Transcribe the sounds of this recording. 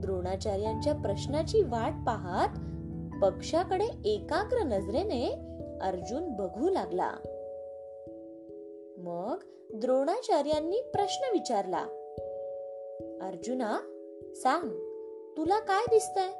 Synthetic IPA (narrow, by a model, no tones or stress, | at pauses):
d̪ɾoɽ̃at͡ɕaɾjaɲt͡ɕjapɾəɕnat͡ɕiːʋaʈ̚paɦat̪ | pəkʂakəɽeekakɾənəd͡zɾeneəɾd͡ʑuːnbəɡʱuːlaɡla̰ | məɡ | d̪ɾoɽ̃at͡ɕaɾjanːiːpɾəɕnəʋit͡ɕaɾla̰ | əɾd͡ʑuna | saŋɡ | t̪ulakajd̪ist̪aj